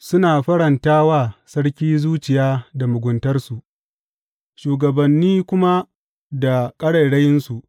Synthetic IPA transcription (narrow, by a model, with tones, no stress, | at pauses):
sʊ˦naː˨ɸɐ˦ɽɐ˨ntaː˦waː˦˨sɐ˦ɽkʲiː˦zuː˦t͡ʃɪ˨jaː˦da˨mʊ˨ɡʷʊ˨ntɐ˦rsu˨ʔ | ʃuː˨ɡɐ˨bɐ˨nːiː˦kʷʊ˦ma˦ | da˨kʼɐ˦ɽɐ˨ɽɐ˦jɪ˦nsu˨ʔ